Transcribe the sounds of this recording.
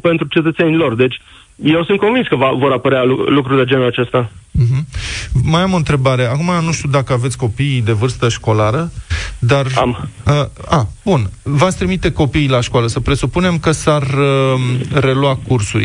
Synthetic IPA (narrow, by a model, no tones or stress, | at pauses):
pe̞nt̪ɾut͡ʃe̞t̪ət̪se̞nilo̞rd̪e̞t͡ʃʲ | jewsunt̪̚ko̞nvinskəvavo̞ɾapəɾealulukɾud̪ed͡ʒenuat͡ʃest̪am̩ɦ̩majamo̞ɨnt̪ɾe̞baɾe̞akumanuʃt̪iud̪akəavet̪sʲko̞piːd̪e̞vɨrst̪əʃko̞laɾəd̪ara̰məab̥unvat̪sʲt̪ɾimit̪e̞ko̞pijlaʃkoaləsəpɾe̞supune̞mkəsarəː | e̞lwakursṵɾʲ